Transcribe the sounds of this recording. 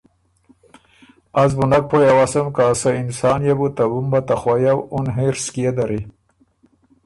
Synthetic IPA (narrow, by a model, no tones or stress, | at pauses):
azbunak̚pʰojawasɐmkaːsainsɑːnjabut̪abumbat̪axwajawunɦeɾskijed̪aɾi